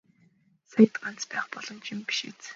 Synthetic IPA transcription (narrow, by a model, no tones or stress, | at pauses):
sajt̪ɢan̥t͡spæːχpɔɮ̥ɞ̆nt͡ɕʰimpi̥ʃḭt͡s